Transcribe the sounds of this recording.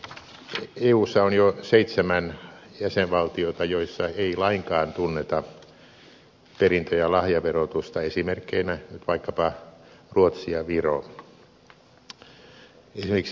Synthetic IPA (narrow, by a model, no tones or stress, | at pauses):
eːuːsːɑonjoseit̪semæn | jæseʋʋɑlt̪iot̪ɑjoisːɑeilɑiŋkɑːnt̪unːet̪ɑ | perint̪øjælɑhjɑʋerot̪ust̪ɑesimerkːeinænyt̪ʋɑikːɑpɑruot̪siɑʋiro | esimerkis